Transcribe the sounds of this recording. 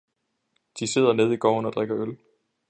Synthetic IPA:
d̥ise̝ð̰ˠɐne̝ð̞ˠiɡ̥ɒ̰ːnɒ̽d̥ʁeɡ̥ɐøl

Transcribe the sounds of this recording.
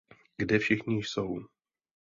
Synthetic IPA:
ɡdɛfʃɪxɲɪsow

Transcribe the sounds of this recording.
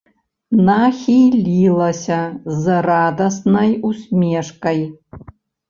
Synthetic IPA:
naχʲijlʲilˠɐsʲazɨrad̪ɐsnɐjusmʲeʂkʼɐj

